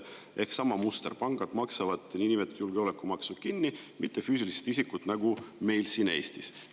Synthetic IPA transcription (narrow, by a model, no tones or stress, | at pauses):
ʔe̞hksɑmɑmust̪erpɑŋɡ̥ɑd̪̥mɑksɑvɑd̪inimet̪ːjulɡ̥eolekːumɑksud̪̥̚kinːimit̪ːˑe̞fyːsilise̥t̪isikːut̪nɑɡ̥ume̞jlsine̞ːst̪is